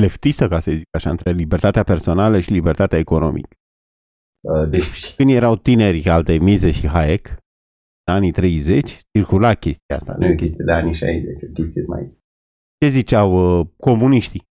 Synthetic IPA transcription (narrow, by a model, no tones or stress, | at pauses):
left̪ist̪əkasəzikaʃaɨ̰nt̪ɾe̞libert̪at̪eape̞rso̞naləʃilibert̪at̪eaeko̞no̞̰mʔḭkə̥ | əd̪et͡ʃkɨnd̪je̞ɾawt̪ine̞ɾʲalt̪emizeʃiɦaek | ɨnanit̪ɾe̞jze̞t͡ʃʲt͡ʃirkulakʲe̞st̪̚ijaa̰st̪a̰nkʲest̪iad̪eaniʃa̰jzḛt͡ʃokʲest̪iema̰ | t͡ʃe̞zit͡ʃawəko̞muniʃt̪i